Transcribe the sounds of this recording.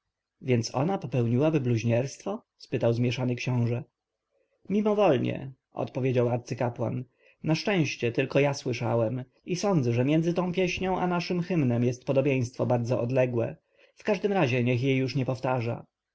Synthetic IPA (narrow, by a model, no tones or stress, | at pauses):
vʲjɛnt̪sɔ̰napɔpɛwɲiwabɘbluʑɲɛɾst̪fɔ | spɘt̪awzmʲjɛʂanɘkɕɔ̃w̃ʐɛ | mʲimɔvɔlɲɛ̰ | ʔɔ̰t̪pɔvʲjed͡ʑawaɾt̪sɘkapwa̰nː | aʂt͡ʂɛ̃w̃ɕt͡ɕɛt̪ɘlkɔjaswɘʂawɛm | isɔnd̪zɛʐɛmʲjɛnd̪zɘt̪ɔ̃w̃pʲjɛɕɲɔ̃w̃ʔanaʂɘmxɘmnɛmjɛst̪̚pɔd̪ɔbʲjẽj̃st̪fɔbaɾd̪zɔʔɔd̪lɛɡwɛ̰ | fkaʐd̪ɘmɾaʑɛɲɛxjejːuʂɲɛpɔft̪aʐa̰